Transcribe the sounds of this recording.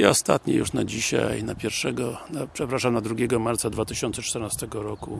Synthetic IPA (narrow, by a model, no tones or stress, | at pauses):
iɔst̪a̰t̪ɲɛ̰jṵʂnad͡ʑiɕa̰jnapʲjɛɾfʂɛɡɔnapʂɛpɾaʂamnad̪ɾuɡʲjɛɡɔmaɾt̪sad̪vat̪ɘɕɔnt̪sɛt͡ʂt̪ɛɾnast̪ɛɡɔɾɔku